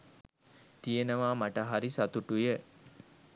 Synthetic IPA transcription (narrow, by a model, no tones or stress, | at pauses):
t̪ijənəʋaːmaʈəɦaɾisat̪uʈujə